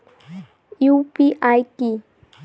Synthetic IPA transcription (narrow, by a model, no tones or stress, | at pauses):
ɪwpɪʔajkɪ